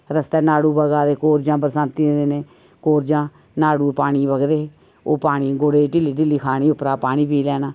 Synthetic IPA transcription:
ɾəst̪ɛːnaːɽuːbəɡaːd̪eːkoːɾd͡ʒãːpəɾəsãːnt̪ĩːd̪eːneː | koːɾd͡ʒãː | naːɽuːpaːɽ̃iːbəɡd̪eː | oːpaːɽ̃iːɡʊɽeːʈɪliːʈ̬ɪliːkʰaːɽ̃iːʊpɾaːpaːɽ̃iːp̬iːlɛːnaː

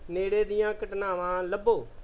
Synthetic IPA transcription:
neːɽeːd̪ɪjãːkəʈnaːʋãːləbːoː

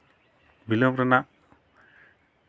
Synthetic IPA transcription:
bilomɾɐna

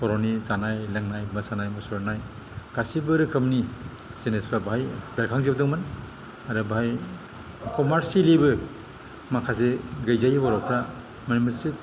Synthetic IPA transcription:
pɔɾonisanajlaŋnajmɯsanajmɔsɔɾnaj | ɡ̥asibɯɾɯkʰɯmni | zenespʰɾabɦajbeɾkʰaŋzib̚dɯŋmɯn | aɾɯbɦaj | kɔmaɾsilibɯ | makʰas̬eɡajzajbɔɾɔpʰɾa | manimɯsi

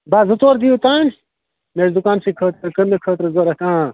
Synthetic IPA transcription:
baːzɐt̪oːɾd̪ijut̪aːn | meːɾd̪ukaːnsikʰəːt̪ɾɐkənekʰəːt̪ɾɐzoɾɐkãː

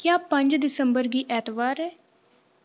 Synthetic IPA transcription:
kjaːpə̃ɲd͡ʒd̪ɪsəmbəɾɡiːʔɛːt̪ʋaːɾɛː

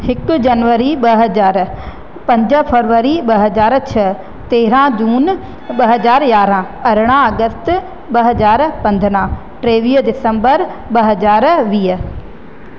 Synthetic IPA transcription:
hɪkd͡ʒɐnʋəɾiɓɐɦəzaːɾ | pɐ̃ɲd͡ʒəpʰəɾʋəɾiɓɐɦɐzaːɾt͡ʃʰɐ | t̪eːɾãd͡ʒuːn | ɓɐɦəzaːɾjaːɾã | ɐɾɽ̃ãɐɡəst̪ | ɓɐɦɐzaːɾpɐ̃nd̪ʱnã | ʈɾeːʋiːɦd̪ɪsə̃mbəɾbɐɦɐzaːɾʋiːɦ

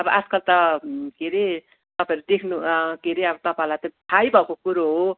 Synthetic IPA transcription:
ʌbʌʔaskʌlt̪ʌkeɾe | t̪ʌpãeɾud̪ekʰnukeɾeʌbʌt̪ʌpaɦlat̪ʌt̪ʰajbʱʌkokuɾoɦo

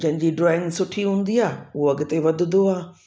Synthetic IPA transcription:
d͡ʑɐ̃ɦɪ̃ɲd͡ʑiɖɾaːɪ̃ŋɡsʊʈʰiɦũːnd̪iaːʊɦoɐɡɪt̪eʋɐd̪ʱʊd̪oaː

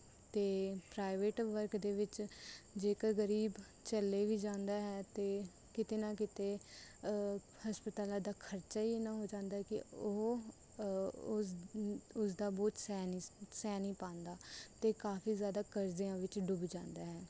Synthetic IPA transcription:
t̪eːpɾaːɪʋeːʈʋəɾkd̪eːʋɪt͡ʃd͡ʒeːkəɾɡəɾiːb | t͡ʃəlːeːʋiːd͡ʒãːnd̪aːɦɛːt̪eː | kɪt̪eːnãːkɪt̪eː | həspət̪aːlãːd̪aːkʰəɾt͡ʃaːiːenãːɦoːd͡ʒãːnd̪aːɛkɪ̰o | ʊsd̪aːbɔːt̪sɛːnisɛːniːpãːnd̪aːt̪eːkaːfʰiːzjaːd̪aːkəɾd͡ʒeãːʋɪt͡ʃɖʊbd͡ʒãːnd̪aːɦɛː

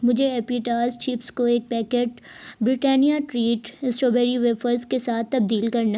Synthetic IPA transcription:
mʊd͡ʒʱeɛːpiːʈaːzt͡ʃiːpskoeːk̚pɛːkeːʈ | bɾɪʈɛːnijaʈɾiːʈsʈoːbɛːɾiʋefəɾzkesaːt̪̚ʰːɐb̚d̪iːlkɐɾna

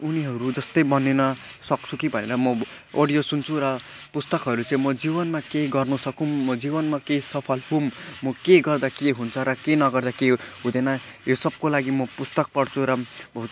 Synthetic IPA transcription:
uniɦʌɾud͡zʌst̪ʌjbʌnenʌsʌk̚t͡sʰukibʱʌnḛɾʌmʌ | o̰ɽijosunt͡sʰuɾʌ | pust̪ʌkɦʌɾut͡sʌĩmʌd͡zibʌnmakeɡʌrnusʌkumːʌd͡zibʌnmakejsʌpʰʌlhumːʌkeɡʌrd̪akeɦunt͡sʰʌɾʌkenʌɡʌrd̪akeɦũd̪enʌ | josʌb̚kolaɡimʌpust̪ʌk̚pʌɽt͡sʰuɾʌbʌ

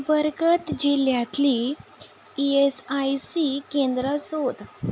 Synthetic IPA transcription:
bəɾɡət̪d͡ʑiljat̪li | iesajsikẽnd̪ɾəsod̪

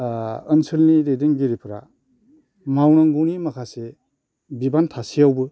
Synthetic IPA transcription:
ənsɯlnidejdiŋɡiɾipʰɾa̰ | mawnaŋɡunimɐkʰase | bibantʰasijawbɯ

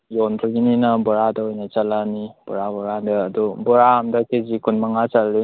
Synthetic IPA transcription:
jɔndɾɯɡininɐbɔɾadɐojnɐt͡ʃalanib̥ɔɾabɔɾadɐːdubɔɾaamdɐkezikʰunmaŋat͡ʃalːi

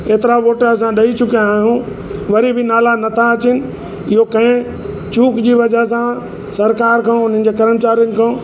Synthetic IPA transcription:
eːt̪ɪɾaʋoːʈəɾs̬ãɗɐit͡ɕʊkijaːɦjũ | ʋɐɾibʱɪnaːlanɐt̪ʰaɐt͡ɕɪnɪ̆ | ɪɦokɐ̃ɦɪ̃ | t͡ɕũːkd͡ʑiːʋɐd͡ʑəɦs̬ã | sɐɾkaːɾkʰãːʊn̤ə̃̆n̆d͡ʑeːkɐɾəmt͡ɕaːɾijʊnɪ̆kʰãː

